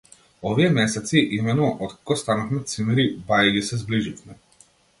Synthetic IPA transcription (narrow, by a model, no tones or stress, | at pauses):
ɔʋiɛmɛːsat̪siʔimenuʔɔt̪kɔst̪anɔxmɛt̪t̪simɛɾibajɡisɛzbliʒit̪mɛ